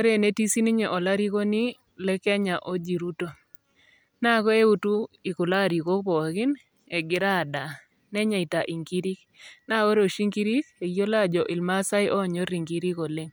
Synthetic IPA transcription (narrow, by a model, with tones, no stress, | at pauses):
o˦ɾe˦˨ne˦ti˦si˦ni˦ɲe˨ʔo˨la˦ɾi˦ko˦ni˦ | lɛ˦kɛ˦ɲa˨ʔo˦d͡ʒi˨ɾu˦to˨ | na˦kɔ˦e˦u˦tu˦i˨kʊ˨la˦˨ɾi˨ko˦k̚pɔ˨ɡɪ˦n | ɛ˨ɡɪ˨ɾa˦˨da˨ | nɛ˦ɲa˨i˨ta˨ʔi˨ŋɡi˦ɾi˦k | na˦ko˦ɾo˨ʃi˦ŋɡi˦ɾi˦ke˨ɡjo˦la˦d͡ʒɔ˨ʔɪ˨lma˦sa˦ɪ˦ʔɔ˦˨ɲo˦ɾi˨ŋɡi˦ɾi˦ko˨le˦ŋ